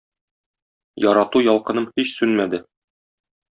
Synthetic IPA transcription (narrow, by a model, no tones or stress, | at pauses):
jɒɾɑt̪ujɒlˠqɤ̆nɤmhiɕsʉnmæd̪ɘ